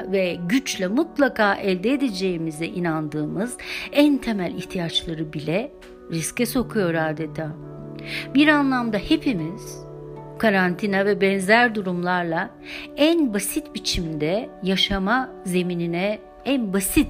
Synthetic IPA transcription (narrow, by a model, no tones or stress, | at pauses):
vɛɟyt͡ʃlʲɛmut̪lˠakʰaːʔɛlʲd̪eed̪ed͡ʒe̞jimizd̪ɛʔinand̪ɯːmɯzænt̪ʰe̞mælʲiçt̪ʰijat͡ʃlˠaɾɯbilʲɛ | ɾiscɛso̞kʰujo̞ɾaːd̪et̪ʰaː | biɾanlˠamd̪ahe̞pʰimiz̥ | kʰaɾant̪ʰinavɛbɛnzæɾd̪uɾumlˠaɾlˠa | ænbasit̪bit͡ʃʰimd̪ɛjaʃama | ze̞mininɛ | ænbasit̪